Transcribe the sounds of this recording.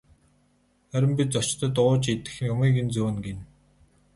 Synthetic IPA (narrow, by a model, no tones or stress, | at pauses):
æɾʲɪ̆mpʲit͡sɔt͡ɕt̪ə̆t̪̬ʊːt͡ɕit̪ɘ̆xjʊmiːɡint͡suːnɡen